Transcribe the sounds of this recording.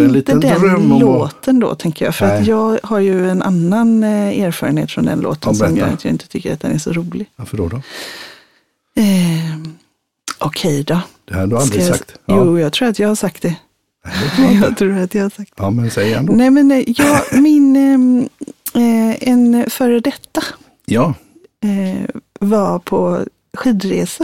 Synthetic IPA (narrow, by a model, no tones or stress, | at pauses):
lliːt̪ːəd̪ɛnloːtt̪ənd̪ɔ̰t̪ʰɛŋkəjɑ̰ːɡfœɾat̪jɑːɡhaɾjɵɛnʔa̰nːanæːɾfɑːɾənḛːt̪fɾɔ̰nd̪ɛ̰nlʔo̰ːt̪ənsɔmjɑ̰ɡ̪ɪ̰nt̪ə̥t̪ʰʏkːəɾat̪d̪ɛ̰næʂɔɾuːlɪafəɖudɔ | ɛ | ʔɔkʰɛjd̪ɑd̥̪ɛhadalkasat̪juːjɑːɡt̪ʰɾuːɾat̪jɑːɡhaʂak̚t̪̚d̪ɛ | jɑɡt̪ʰɾuːɾat̪jɑhaʂak̚t̪ːmɛnsɛjəɛnd̪nɛmɛnjɑːɡmɪn | ɛnfœːɾəd̪ɛt̪ːa | jɑ | ɛvapʰɔ | ɧiːd̪ɾeːsa